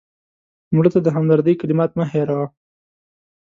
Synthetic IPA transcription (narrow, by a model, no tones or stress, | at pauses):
mɽət̪ad̪əɦamd̪aɾd̪əjkalɪmɑt̪məɦeɾɑ